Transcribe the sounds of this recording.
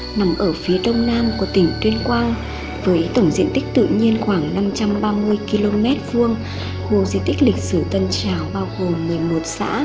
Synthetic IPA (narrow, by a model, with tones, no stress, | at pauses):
na˨˦mʔəː˧˩fi˨˦əɗə˧wŋ͡mnaː˧mkɔ˨˩˦t̪ï˧˩ŋ̟t̪wi˧ənkwaː˧n | vəː˨˦jt̪ə˧˩wŋ͡mzḭ˧ənt̪ï˦˥k̟̚t̪ɨ̰˧˨ɲi˧ənxwaː˧˩ŋna˧mt͡ɕa˧mɓaː˧mɨ˧əjki˧lo˧mɛ˦˥t̚vɨ˧əŋ | hu˧˩əŋzḭ˧˨t̪k̟̚lï˨˩k̟̚sɨ˧˩t̪ə˧nt͡ɕaː˨˩wɓaː˧wɣo˨˩mːɨ˨˩əjmo˨˩t̚sa̰ː˧˥